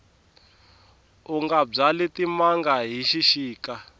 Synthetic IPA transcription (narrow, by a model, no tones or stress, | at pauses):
uŋɡab͡ʐalitimaŋɡaɦiʃiʃiːka